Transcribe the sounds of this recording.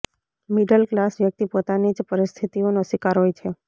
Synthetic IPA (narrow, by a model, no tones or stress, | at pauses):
miɖəlklasʋjək̚t̪ipot̪anid͡ʒpəɾɪst̪ʰit̪ionoʃɪkaɾɦojt͡ʃʰe